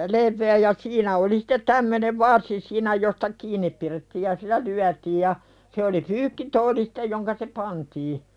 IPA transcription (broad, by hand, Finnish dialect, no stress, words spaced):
leʋːeæ jɑ siːnæ oli sĭ̥tet tæmːøneʋ ʋɑrsi siːnæ jostɑ kiːnˑip piretːiːj jɑ silˑæ lyætiːj jɑ se oli pyːkːitoːli si̥te joŋkɑ se pɑntiː